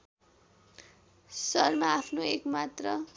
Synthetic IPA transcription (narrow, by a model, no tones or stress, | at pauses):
sʌrmaapʰnoekmat̪rʌ